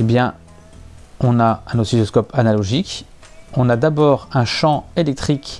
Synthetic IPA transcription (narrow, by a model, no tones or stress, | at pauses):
ebjɛ̃ | ɔ̃naɛ̃nosizɔskɔpanalɔʒik | ɔ̃nad̪abɔːʁɛ̃ʃɑ̃elɛk̚t̪χik